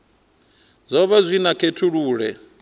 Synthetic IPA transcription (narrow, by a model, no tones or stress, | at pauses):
zʷɔβazʷinakʰetʰuɺuːɺɛ̰